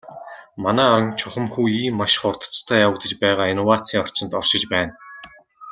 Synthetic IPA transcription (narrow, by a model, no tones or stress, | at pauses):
manæːɔɾə̆ŋt͡ɕʰʊχə̆mxuːiːmːaʃχʊrt̪ə̥̆t͡st̪ʰœːjawə̆kt̪ə̆t͡ɕpæːʁaːinɔwaːt͡sʰiːŋɔr̥t͡ɕɪ̆nt̪ɔrʃɪ̆t͡ɕpæːn